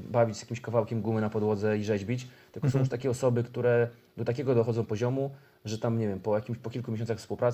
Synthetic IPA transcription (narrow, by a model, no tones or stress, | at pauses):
bavʲid͡ʑzjakʲimɕkavawkʲɛmɡumɘnapɔd̪wɔd̪zɛiʐɛʑbʲit͡ɕt̪ɘlkɔsɔ̃w̃juʂt̪akʲɛɔsɔbɘkt̪uɾɛ | d̪ɔt̪akʲɛɡɔd̪ɔxɔd̪zɔ̃w̃pɔʑɔmu | ʐɛt̪amɲevʲjɛmpɔjakʲimɕpɔkʲilkumʲeɕɔ̃nt̪saxfspuwpɾat̪